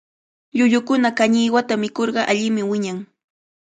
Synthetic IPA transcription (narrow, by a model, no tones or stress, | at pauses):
ʎʊʎʊkʊnakaɲɪjwat̪amɪkoɾɢɑʔaʎɪmɪwɪɲaŋ